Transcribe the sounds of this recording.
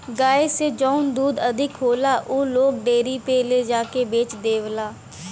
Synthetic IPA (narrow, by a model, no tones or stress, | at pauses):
ɡaːeseːd͡ʒɔːnd̪uːd̪əd̪ʱɪkɦoːlaːʔoːloːk̚ɖeːɾiːpeːleːd͡ʒaːkeːbeːt͡ʃd̪eːʋlaː